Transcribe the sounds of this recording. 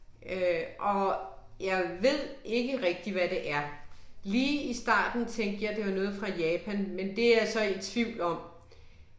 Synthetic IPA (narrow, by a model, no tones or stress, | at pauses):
øʔɒ̽jɑ̈ɪʋe̝ð̞̰ˠe̝ɡ̥əʁɛɡ̥̚d̥iʋæd̥e̝ʔæɐliːisd̥ɑ̰̈ːd̥n̩t͡sʰeŋ̰ɡd̥jɑ̈ɪd̥ejonɔ̽ːð̞̩ˠfʁɑ̈jɛːpʰænmend̥e̝æɐsɒ̽e̥t͡sʰʋiʊ̰lɒ̽m̰